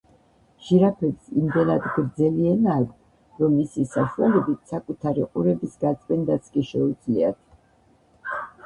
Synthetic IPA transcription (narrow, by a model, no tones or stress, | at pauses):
ʒ̥iɾapʰɛbsimd̪ɛnad̪ɡɾd̪zɛlianaːk | ɾɔmːisisaʃualɛbit̪sakʼut̪ʰaɾḭqʼuɾɛbisɡat̪sʼpʼɛnd̪at̪sʰkʼiʃɛud̪zliat̪ʰ